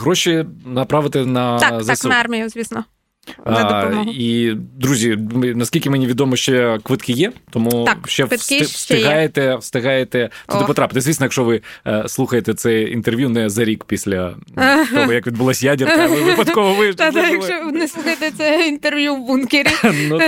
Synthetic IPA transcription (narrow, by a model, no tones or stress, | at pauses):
ɦɾɔʃinɐpɾɑʋɪt̪ɪnɐzisɑrmʲijʊzʲʋʲisnɔ | ɛɔmid̪ɾuzʲimnɐsʲkʲilʲkʲɪmɛnʲiʋʲid̪ɔmɔʃt͡ʃɛkʋɪt̪kɪjɛt̪ɔmukʃt͡ʃɛsst̪ɪɦɑjet̪ɛwst̪ɪɦɑjet̪ɛt̪ud̪ɪpɔt̪ɾɑpɪt̪ɪzʲʋʲisnɔjɐkʃɔʋɪslˠuxɐjet̪ɛt̪sɛjḭnt̪erʋʲjunɛzɐɾʲikpʲisʲlʲɐ | ɔɔjɐkʋʲid̪bʊlˠɔsʲjadʲɐʋɪpɐt̪kɔʋɔʋɪd̪d̪ajɐk̪ʃɔnɛslˠuxɐjt̪ɛt̪sɛint̪erʋjuwbunkʲɪɾʲinu